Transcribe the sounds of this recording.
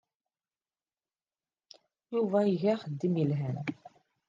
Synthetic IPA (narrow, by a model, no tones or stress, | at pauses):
juvæiʝæχəd̪ːimilɦæn